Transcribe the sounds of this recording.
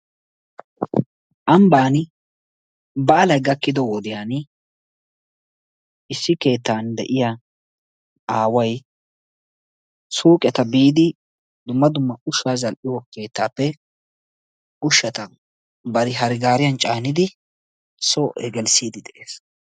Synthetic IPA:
ʔɐmbaːn | bɐʔːlɐjɡɐkːɪd̪ɔwɔd̪ɪjaːn | ɪsːɪke̞ːt̪ːaːnd̪ɛ̰ʔɪja | aːwɐj | suːkʼɛt̪ɐbiːd̪ɪ | d̪ʊmːɐd̪ʊmːɐʊʃaːzɐlʔɪwɔke̞ːt̪ːaːpːɛ | ʊʃːɐt̪ɐ | bɐɾɪɦɐɾɪɡaːɾɪjɐnt͡ʃʼaːnɪd̪ɪ | soʔɛ̰ɡɛlsiːd̪ɪd̪ɛʔeːs

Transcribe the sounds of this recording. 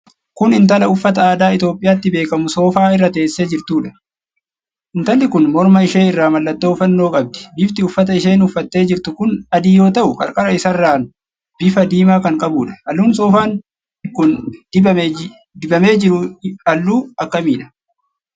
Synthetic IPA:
kʊnɪnt̪ɐlɐʊfːɐt̪ɐaːd̪aːɪt̪jo̞ːpʼːɪjaːt̪ːɪbe̞ːkɐmʊso̞ːfaːɪrːɐt̪e̞ːsːe̞ːd͡ʒɪɾt̪uːᶑɐ̥ | ʔɪnt̪ɐlːɪkʊnmɔɾmɐɪʃe̞ːɪrːaːmɐlːɐt̪ːoːʊfɐnːo̞ːkʼɐb̚d̪ɪ̥bɪːft̪ɪʊfːɐt̪ɐɪʃe̞ːnʊfːɐt̪ːe̞ːd͡ʒɪɾt̪ʊkʊnɐd̪iːjo̞ːt̪ɐʔʊkʼɐ̰ɾkʼɐɾɐɪsɐrːaːn | b̥ɪfɐd̪iːmaːkɐŋkʼɐbuːᶑɐ̥ɐlːuːnso̞ːfaːn | kʊn | d̪ɪbɐme̞ːd͡ʒɪɾʊɐlːuːɐkːɐmiːᶑɐ̥

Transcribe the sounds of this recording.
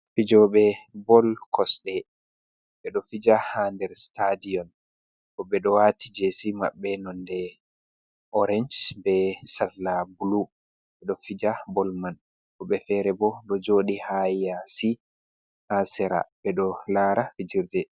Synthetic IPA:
fid͡ʒɔɓɛbɔlkʰɔsɗɛ | ɓɛɗɔfid͡ʒahandɛɾstadiɔn | kɔɓɛɗɔwatid͡ʒesima̰ɓːɛnɔndɛ | ʔɔɾɛnd͡ʒbɛsaɾlabulu | ɓɛɗɔfid͡ʒabɔlman | kɔɓɛfɛɾɛbɔɗɔd͡ʒoːɗihaasi | ʔasɛɾa̰bɛɗɔlaɾafid͡ʒiɾdɛ

